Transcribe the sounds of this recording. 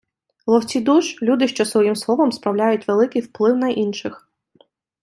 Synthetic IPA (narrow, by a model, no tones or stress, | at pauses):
lˠɔwt͡sʲid̪uʃlʲud̪ɪʃt͡ʃɔsʋɔjimslˠɔʋɐmspɾɐwlʲajʊtʲʋelˠɪkɪjwplˠɪwnɐʔinʃɪx